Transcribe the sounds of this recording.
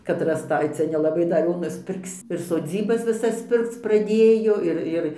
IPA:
kɐt rɐsˈtɐɪ ˈt͡sʲɛ nʲɛlˠɐˈbɐɪ dɐr ˈjoː nʊsʲˈpʲɪrks ɪr soːˈd͡zʲiːbɐs ʋʲɪˈsɐs ˈpʲɪrkt͡s prɐˈdʲeːjoː ˈɪr ˈɪr

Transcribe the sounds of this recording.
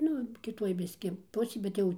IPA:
ˈnʊ kʲɪˈtuɔj ˈbʲɪsʲkʲɪ ˈpʊsʲeːj bʲɛt ˈjɛʊ

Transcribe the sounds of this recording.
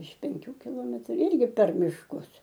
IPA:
ɪʃ pʲɛŋʲˈkʲuː kʲɪˈlˠoːmʲɛtrʊ ˈɪrʲɡʲɪ pʲɛr mʲɪʃˈkʊs

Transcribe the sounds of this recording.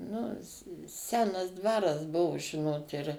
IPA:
ˈnʊ ˈsʲæːnɐs ˈdʋɑːrɐs ˈbʊʋʊ ˈʒʲɪnoːt ɪr

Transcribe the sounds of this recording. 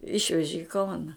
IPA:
ˈɪʃʲʋʲɛʒʲɪ ɪ ˈkɐʊnɐ

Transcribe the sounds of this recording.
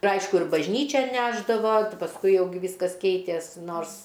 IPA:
ɪr ˈɐɪʃkʊ ɪr bɐʒʲˈnʲiːt͡ʃʲɛn ˈnʲæːʒdɐʋoː pɐsˈkʊɪ ˈjɛʊ ɡʲɪ ˈʋʲiːskɐs ˈkʲɛɪtʲeːs ˈnoːrs

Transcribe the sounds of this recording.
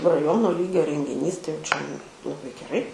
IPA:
rɐˈjoːnoː ˈlʲiːɡʲoː rʲɛŋʲɡʲɪˈnʲiːs tɐɪ jɛʊ t͡ʃʲɛ lˠɐˈbɐɪ ɡʲɛˈrɐɪ

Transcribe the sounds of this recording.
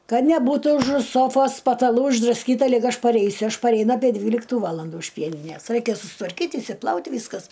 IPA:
ˈkɐt nʲɛˈbuːtʊ ʊʒʊ ˈsoːfoːs pɐtɐˈlˠuː ɪʒdrɐˈsʲkʲiːtɐ ˈlʲɪk ˈɐʃ pɐˈrʲɛɪsʲʊ ˈɐʃ pɐrʲɛɪˈnɐ ɐpʲiɛ ˈdʲʋʲiːlʲɪktʊ ˈʋɑːlˠɐndʊ ɪʃ ˈpʲiɛnʲɪnʲeːs ˈrɐɪkʲɛ sʊstʋɐrʲˈkʲiːtʲ ɪʃʲsʲɪˈplˠɐʊtʲ ˈʋʲiːskɐs

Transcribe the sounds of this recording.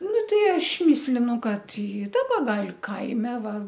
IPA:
ˈnʊ ˈtʲɛɪ ˈɐʃ ˈmʲɪsʲlʲɪnʊ ˈkɐt ɪ ˈdɑːbɐ ˈɡɐlʲ ˈkɐɪmʲɛ ˈʋɐ

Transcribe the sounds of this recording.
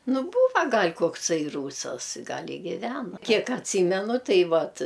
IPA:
nʊ ˈbuːʋɐ ˈɡɐlʲ koːkˈsɐɪ ˈruːsɐs ˈɡɐlʲ ɪ ˈɡʲɪʋʲɛnoː ˈkʲiɛk ɐtʲˈsʲiːmʲɛnʊ ˈtɐɪ ˈʋɐt

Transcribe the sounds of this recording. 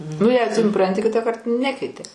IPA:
nʊ jɛɪ sʊˈprɐnʲtʲɪ ˈkʲɪtɑːkɐrt ˈnʲæːkʲɛɪtʲɪ

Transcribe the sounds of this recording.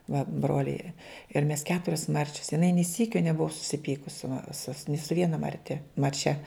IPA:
ʋɐ ˈbroːlʲɛɪ jiɛ ɪr mʲɛs ˈkʲæːtʊrʲɛs ˈmɐrʲt͡ʃʲɛs jɪˈnɐɪ nʲeː ˈsʲiːkʲoː nʲɛˈbʊʋɐ sʊsʲɪˈpʲiːkʊs sʊ mɐ sʊ nʲɪ sʊ ˈʋʲiɛnɐ mɐrʲˈtʲɛ mɐrʲˈt͡ʃʲɛ

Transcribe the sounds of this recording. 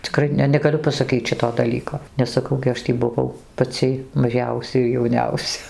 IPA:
t͡sʲɪˈkrɐɪ nʲɛ nʲɛɡɐˈlʲʊ pɐsɐˈkʲiːt͡s ˈʃʲɪtoː dɐˈlʲiːkoː nʲɛs sɐˈkɐʊ ɡʲɪ ˈɐʃ tʲiː bʊˈʋɐʊ pɐˈt͡sʲiː mɐˈʒʲɛʊsʲɛ ɪr jɛʊˈnʲɛʊsʲɛ

